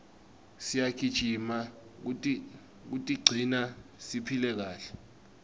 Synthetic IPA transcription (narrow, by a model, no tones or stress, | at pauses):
sijakʰid̥ʒ̥ʱimautʼi | k̬utʼiɡ͡ǀʱinasipʰilɛk̬aːɬɛ̥